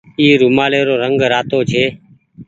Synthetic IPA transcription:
iːɾuːmaːleːɾoːɾəŋɡɾaːt̪oːt͡ʃʰeː

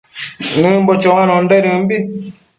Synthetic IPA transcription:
nɨm̩bɔt͡ʃɔŋanɔn̩dɛɾim̩bi

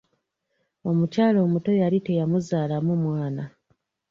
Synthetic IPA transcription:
o̞mucaːlo̞ːmuto̞jalite̞jamuzaːlamumwaːna

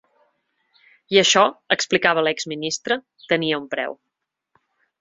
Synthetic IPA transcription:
iəʃɔəksplikaβəlɛɡzminist̪ɾə | t̪əniəumpɾɛ̰w

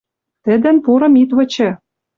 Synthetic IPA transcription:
t̪ɘ̆d̪ɘ̆npuɾɤ̆mit̪βɤ̆t͡ɕɘ̆

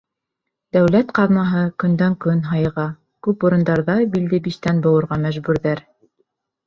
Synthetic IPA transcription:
d̪̥æwlæt̪qɑðmɑɦɤkɵ̆nd̪æŋkɵnɦɑjɤʁɑ | kʉpuɾɤ̆nd̪ɑɾðɑbild̪ɘbiʃt̪ænbŏwɤ̆ɾʁɑmæʒbʉɾðæɾ

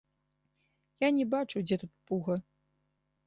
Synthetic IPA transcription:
janʲɛbat͡ʂud͡zʲɛt̪ut̪̚puɣɐ

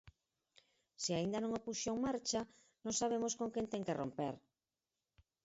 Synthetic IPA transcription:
siaind̪anõŋopuʃomaɾt͡ʃa | nõŋsaβ̞emoskõŋkent̪eŋkero̰mpeɾ

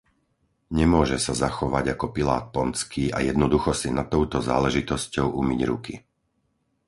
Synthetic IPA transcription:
ɲɛmʊɔʒɛsazaxɔʋaɟakɔpila̰ːt̪̚pɔnt͡skiːa̰jɛd̪nɔd̪uxɔsinat̪ɔʊt̪ɔza̰ːlɛʒit̪ɔscɔʊʔumiɟɾṵki

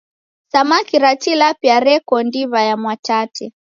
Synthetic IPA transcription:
samakiɾatilapjaɾɛkɔndiβajamwatatʰɛ

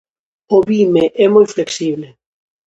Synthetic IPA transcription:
oβimeʔɛmojfleksiβle

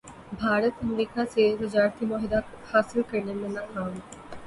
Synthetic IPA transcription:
bʱaːɾət̪ɐmɾiːkãseɾɪd͡ʒaːɾt̪imɔːɦɪd̪a | haːsɪlkɐɾnẽmẽnaːkaːm

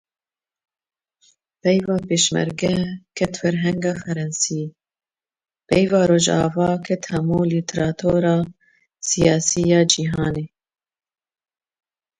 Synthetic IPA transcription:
pɛjvɑːpeːʃmɛ̰ɾɡɛkʰɛt̪fɛɾɦɛŋɡɑːfɛɾɛnsiː | pɛjvɑːɾoːʒɑ̰ːvɑːkʰɛt̪hɛmuːlit̪ʰɾɑːt̪ʰoːɾɑː | sijɑːsiːjɑːd͡ʒiːɦɑːneː

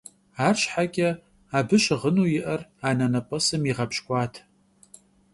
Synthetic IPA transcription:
aːrɕħakʲʼɐ | aːbɨʃʁənuːjɪʔɐraːnɐnɐpʼɐsɨmiʁɐpɕkʷʼɑːtʰ

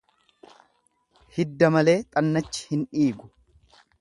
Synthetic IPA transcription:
hɪd̪ːɐmɐle̞ːt̪ʼɐnːɐt͡ʃːɪ̥hɪnᶑiːɡʊ̥

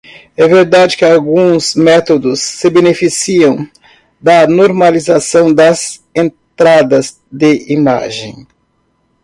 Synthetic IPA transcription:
ɛveɾd̪ad͡ʒɪkɪawɡũzmɛt̪od̪ʊsːɪbenefisiɐ̃w̃ | d̪ɐnoɾmalizasɐ̃w̃d̪ɐzẽn | t̪ɾad̪ɐz | d̪ɪima̰ʒẽj̃

